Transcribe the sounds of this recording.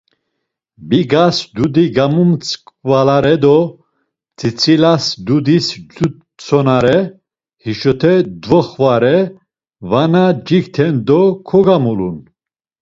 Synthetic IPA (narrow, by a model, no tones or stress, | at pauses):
biɡasd̪ud̪iɡamumt͡sʰʼkʼvalaɾɛd̪ɔ | t͡sʰʼit͡sʰʼilasd̪ud̪isd͡ʒu | t͡sʰʼɔnaɾɛ | hiʃɔt̪ʰɛd̪vɔχvaɾɛ | vanad͡ʒiɡt̪ʰɛnd̪ɔkʰɔɡamulṵn